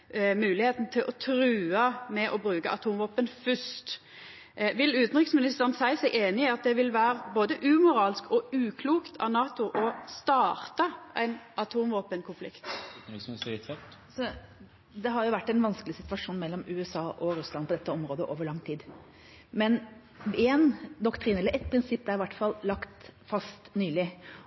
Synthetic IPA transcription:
mʉːlɪheːt̪n̩t̪ʰɪlʔɔt̪ʰɾʉːəmɛʔɔbɾʉːkəʔɑt̪ʰuːmʋoːpənfʏʂt̪ | ʋɪlʉːt̪n̩ʁɪksmɪnɪst̪əʁənsæɪsæɪʔeːnɪɑt̪̚d̪ɛʋɪlʋæːɾboːd̪əʔʉːmʊɾɑːlskɔʉːkʰluːkt̪ʰɑ̰nɑːt̪ʊʔɔst̪ɑːʁt̪ɑʔæɪnʔɑt̪ʰuːmʋoːpənkʰʊnflɪ̰kt̪̩ːɪksɪst̪ɪt̪ʋɛ | sɔ | d̪ɛɦɑɾjʊʋæʈːæɪnʋɑnskəlɪsɪt̪ʋɑʂuːnmɛlːɔmʉːɛsɑːʔɔɾʉslɑnpʰɔd̪ɛt̪ːəɔmɾoːd̪əʔoːʋəɾɭɑŋːt̪ʰiːd̪ | mɛn | ɛnd̪ɔkt̪ʰɾinɛlːəɾʔɛt̪̚pʰɾɪnsɪpːd̪ɛæɾɪʋæʈːfɑlːlɑkt̪fɑst̪nyːlɪ

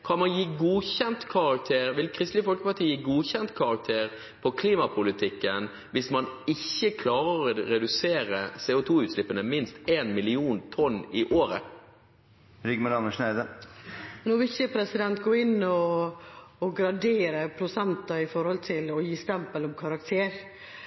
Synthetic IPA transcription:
kʰɑnmɑnjiːɡuːçɛnt̪kʰɑʁɑk̚t̪ʰeːɾʋɪlkʰɾɪst̪lɪfɔlkəpɑʈ̪ʰiːjiːɡuːçɛnt̪kʰɑɾɑk̚t̪ʰeːʁ | pʰɔkʰliːmɑpʰʊlɪt̪ʰɪkːən | ʋɪsmɑnɪçːəkʰlɑːʁəʁɔɾɛd̪ʉseːɾəsɛːʊt̪ʰuːʉːt̪ʃlɪpːənəmɪnst̪eːnmɪlɪuːnt̪ʰɔnːɪʔoːɾə̰ | ɾʏɡməlɑnəʂnæɪd̪ə | noːʋɪlɪçəpʰɾɛsɪd̪ɛnt̪̚ɡoːɪnːɔː | ɡɾɑd̪eːɾəpʰɾʊsɛnt̪ɑɪfɔɾhɔlt̪ʰɪlɔjiːst̪ɛmpəlɔmkʰɑɾɑkt̪ʰeːɾ

